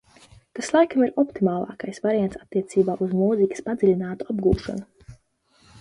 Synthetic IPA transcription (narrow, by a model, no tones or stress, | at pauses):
t̪aslˠajkamiɾɔpt̪imaːlˠɑ̰ːkajsvaɾijant̪sat̪ːiɛt̪siːbaːʔuzmuːzikʲi̥spad̪zilʲinaːt̪uabɡuːʃɔ̰nu